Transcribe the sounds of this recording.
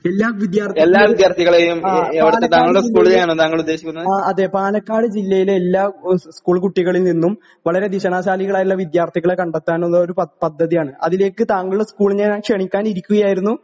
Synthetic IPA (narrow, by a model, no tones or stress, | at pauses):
e̞lːaːʋid̪jaːrt̪ielːaːɐːʋid̪jaːrt̪ʰiɣɐɭejumaeʋiɽɐːet̪aːŋːɡɐɭuɽeskuːɭilejaːɳɨt̪aːŋːɐɭud̪ːe̞ːɕi̥kʲːunːɐðaːɐðepaːnɐkːaːɽɨd͡ʑilːɐjilelːaːskuːɭkuʈːiɣɐɭilninːum | ʋɐɭɐɾe̞d̪iɕɐɳaːɕaːliɣɐɭaːjulːɐʋid̪jaːrt̪ʰiɣɐɭekɐɳɖet̪ːaːnoɭːɐo̞ɾuɐpɐd̪ʱːɐðijaːɳɨɐðile̞ːkːɨt̪aːŋːɐɭuɽeskuːɭineːnaːkʂeɳikʲːaːniɾikʲːuɣɐjaːjiɾunːu